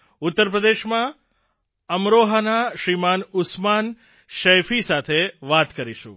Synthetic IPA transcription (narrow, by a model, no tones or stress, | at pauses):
ʊt̪ːəɾp̬ɾəd̪eʃmã | əmɾoɦanaʃɾimanʊsman | ʃəjfisat̪ʰeʋat̪kəɾiʃṵ̃